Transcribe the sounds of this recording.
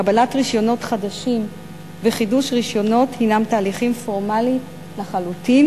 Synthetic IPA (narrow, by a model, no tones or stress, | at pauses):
abalatʁiʃjo̞no̞tχadaʃim | veχiduʃʁiʃjo̞no̞thinamtaːliχimfo̞ʁmali | laχalutin